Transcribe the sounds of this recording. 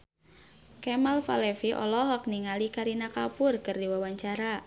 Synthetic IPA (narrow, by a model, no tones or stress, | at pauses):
kɛmalfa̰lɛfiʔɔ̰lɔɦɔk̚niŋalikaɾinakapʊrkɨrdiwawaɲt͡ʃaɾa